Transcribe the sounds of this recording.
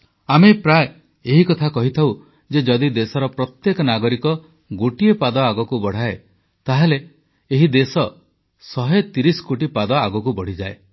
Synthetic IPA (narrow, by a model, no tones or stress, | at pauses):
amepɾaj | eɦikɔt̪ʰakɔɦit̪ʰaw | d͡ʒed͡ʒɔd̪id̪esɔɾɔpɾɔt̪jekɔnaɡɔɾikɔ | ɡoʈiepad̪ɔaɡɔkubɔɽ̤ae | t̪aɦeleː | ɦid̪esɔ | sɔɦet̪iɾisɔ̥koʈipad̪ɔaɡɔkubɔɽ̤id͡ʒae